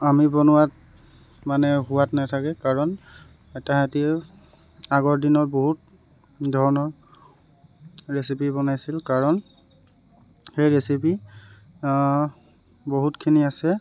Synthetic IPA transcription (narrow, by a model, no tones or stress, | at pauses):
amibɔnʊwat̚ | manɛɦuwatnatʰakɛkaɹɔn | ɛtaɦati | aɡɔɹdinɔɹboɦut̚ | dʱɔɹɔnɔɹ | ɹesipibɔnajsilkaɹɔn | xejɹesipi | boɦutkʰiniasɛ